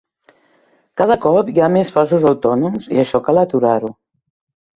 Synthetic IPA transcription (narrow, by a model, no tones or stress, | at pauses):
kað̞əkɔpjamesfazuzəwt̪ɔnumzḭəʃɔkalət̪uɾaɾu